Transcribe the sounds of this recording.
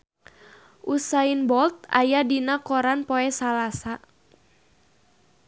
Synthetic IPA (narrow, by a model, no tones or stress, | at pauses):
ʔusainbɔlt̪̚a̰jadinakɔɾanpɔɛsalasa